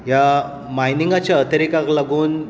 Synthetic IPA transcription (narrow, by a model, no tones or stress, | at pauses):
ja | majniŋɡat͡ɕjaət̪əɾikaklaɡuːn